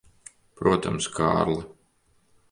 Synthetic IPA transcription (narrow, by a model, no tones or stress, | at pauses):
pɾuɔt̪amska̰ːɾlˠa